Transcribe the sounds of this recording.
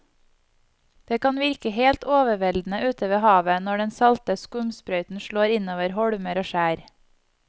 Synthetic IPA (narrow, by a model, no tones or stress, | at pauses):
d̪̥eːkɑnʋɪɾkəheːlt̪oːʋəʋɛld̪n̩əʔʉːt̪ʰəʋeːhɑːʋənɔɖɛnsɑlt̪əskʊmspɾœʏt̪n̩ʃɭoːɾɪnoːʋəɾhɔɽməɾoːʃæːɾ